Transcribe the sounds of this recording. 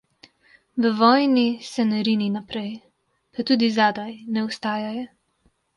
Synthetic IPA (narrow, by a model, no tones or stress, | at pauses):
ʋəʋɔːjnisɛnɛɾininapɾɛj | pat̪uːd̪izaːd̪ajnɛʊst̪aːjajɔ